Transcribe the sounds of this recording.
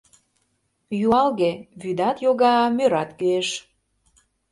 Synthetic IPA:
juɑlɣeβyd̪ɑt̪joɣɑmøɾɑt̪køeʃ

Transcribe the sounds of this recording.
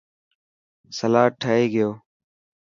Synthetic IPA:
səlaːʈʰːəɦeːɡɪjoː

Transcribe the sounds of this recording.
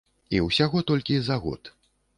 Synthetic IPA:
iwsʲaɣɔt̪ɔlʲkʲizaɣɔ̰t̪

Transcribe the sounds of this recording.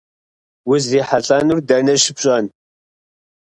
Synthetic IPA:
wʊziːħaɬʼaːnurdɐnɐʃɪbɕʼaːn

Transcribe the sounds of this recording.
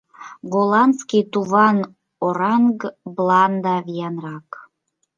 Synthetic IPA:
ɡolˠɑnskit̪uβɑn | oɾɑŋɡblˠɑnd̪ɑvijɑnrɑk

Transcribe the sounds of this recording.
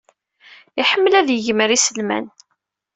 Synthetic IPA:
iħəmːlæðjəʝməɾisəlmæ̰n

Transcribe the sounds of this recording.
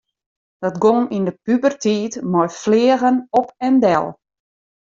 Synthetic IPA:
d̥ɔtɡoŋindəpybərtʰiːtmɔjflɪːəɣənɔpɛndɛ̰lˠ

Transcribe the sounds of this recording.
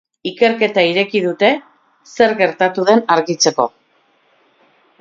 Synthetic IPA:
ike̞ɾke̞t̪aiɾe̞kið̞ut̪e̞ | se̞ɾɣe̞ɾt̪at̪uðe̞naɾɣit͡se̞ko̞̰

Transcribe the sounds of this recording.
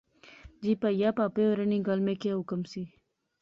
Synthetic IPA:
d͡ʑiːpajaːpaːpeoɾəniɡalmekeɦʊkəmsiː

